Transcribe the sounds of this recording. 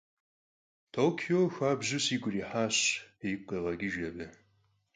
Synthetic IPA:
tʰoːkʰioːxʷaːbʑʊsiːɡʷʊriːħaːɕjiqeːʁɐɡʲiʒɐbɨ

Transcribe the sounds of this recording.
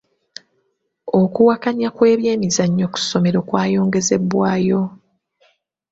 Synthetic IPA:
o̞kuwakaɲakwe̞ːβje̞ːmizaɲːo̞ku̥so̞me̞ɾo̞ːkwaːjo̞ːŋɡe̞ze̞bwaːjo̞

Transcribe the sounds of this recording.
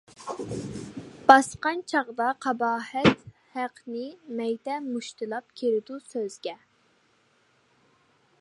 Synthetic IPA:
b̥ɑsqɑnt͡ʃʰɑʁd̪ɑqʰɑbɑːhɛt̪ | hæqʰnɪmɛjd̪ɛmuʃt̪ʰɨlˠɑp̚kʲʰeɾɪd̪usøzɡʲɛ

